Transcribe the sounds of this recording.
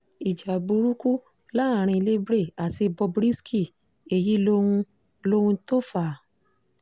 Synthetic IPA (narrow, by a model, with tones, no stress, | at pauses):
i˨d͡ʒa˨bu˧ɾu˦ku˦ | la˦a˨˧ɾ̃ĩ˧le˦bɾe˦˨a˨ti˧bɔ˧bɾi˦skʰi˦˨ | e˨ji˨˦lo˦ũ˧ | lo˦hũ˧to˦˨fa˨